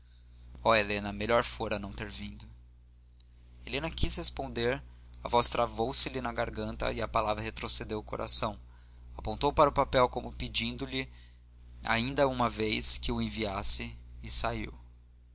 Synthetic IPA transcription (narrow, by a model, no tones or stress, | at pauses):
ɔelenɐmeʎɔɾfoɾɐnɐ̃w̃t̪eɾvĩnd̪ʊ | elẽnɐkishespõnd̪eɾ | ɐvɔst̪ɾavowsɪlɪnɐɡaɾɡɐ̃nt̪ɐ̰iɐpalavɾɐhet̪ɾosed̪ewʊkoɾʔa̰sɐ̃w̃ | apõnt̪owpaɾʊpapɛwkõmʊpid͡ʒĩnd̪ʊlɪ | a̰ĩnd̪ɐumɐvejskɪʊẽviasɪːsaiw